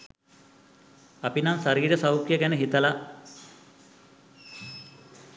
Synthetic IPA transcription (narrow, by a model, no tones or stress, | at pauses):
apinaŋsaɾiːɾəsawkjəɡænəɦit̪əla